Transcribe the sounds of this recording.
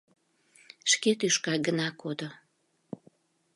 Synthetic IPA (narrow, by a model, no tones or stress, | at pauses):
ʃket̪yʃkɑɡənɑkod̪o